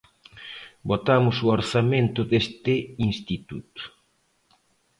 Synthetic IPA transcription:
bot̪amʊsuoɾsamẽnt̪ʊd̪est̪ɪinst̪it̪ut̪u̥

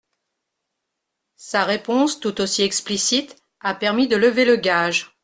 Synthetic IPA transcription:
saʁepɔ̃st̪ut̪osiɛksplisit̪ | apɛʁmid̪ələveləɡʲaʒ

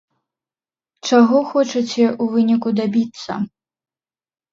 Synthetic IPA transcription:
t͡ʂaɣɔxɔt͡ʂɐt͡sʲɛʔuvɨnʲikud̪abʲit̪sːɐ̰

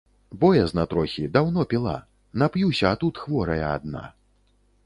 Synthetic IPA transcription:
bɔjɛznɐt̪ɾɔxʲid̪awnɔpʲilˠa̰ | napjusʲɐːt̪ut̪xvɔɾɐjɐa̰d̪̚na̰

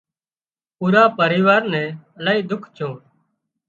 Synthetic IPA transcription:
puːɾaːpəɾiːʋaːɾnɛ̃ːəlaːiːd̪ʊkʰt͡ʃʰõː

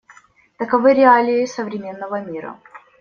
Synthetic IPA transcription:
t̪əkɐvɨɾʲɪalʲɪɪsəvɾʲɪmʲe̞nːəvəmʲiɾə̰

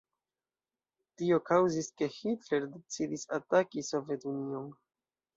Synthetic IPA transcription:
tio̞kawziske̞hitle̞ɾdet͡sidisatakiso̞vje̞tunio̞n

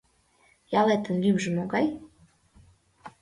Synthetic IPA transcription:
jɑlet̪ə̆nlymʒə̆moɡɑj

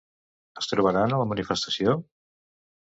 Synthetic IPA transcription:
əst̪ɾuβaɾanalamanifest̪asjo

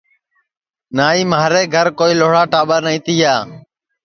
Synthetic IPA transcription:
naːiːmaːɾeːɡʱəɾkoːiːloːɽaːʈaːɓaːnĩːt̪iːjaː

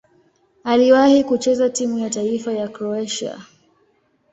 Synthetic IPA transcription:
aliwahikut͡ʃɛzatimujataifajakɾɔɛʃa̰

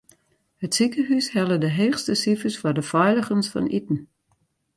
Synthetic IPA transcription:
hətsikəɦyshɛlədəɦeːxstəsifəsfɔdəfɔjləxənsfɔ̰nitn̩

